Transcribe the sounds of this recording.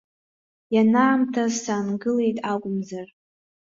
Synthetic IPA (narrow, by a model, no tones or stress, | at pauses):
janaːmtʰasaːnɡɨle̞jtʼakʷʼʊmzar